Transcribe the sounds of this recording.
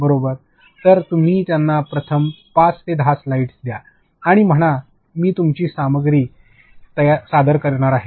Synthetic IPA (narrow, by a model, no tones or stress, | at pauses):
bəɾobəɾ | t̪əɾt̪um̤iːt̪janːapɾət̪ʰəm | past̪ed̪ʱaslaiʈsd̪jaː | ɽ̃im̤əɽ̃a | miːt̪umt͡ɕiːsaməɡɾiː | t̪əjasad̪əɾkəɾɳ̃aɾaɦe